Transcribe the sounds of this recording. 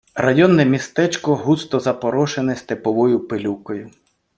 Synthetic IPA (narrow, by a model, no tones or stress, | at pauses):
rɐjɔnːɛmʲist̪ɛt͡ʃkɔɦust̪ɔzɐpɔɾɔʃenɛsʲt̪epɔʋɔjʊpelʲukɔjʊ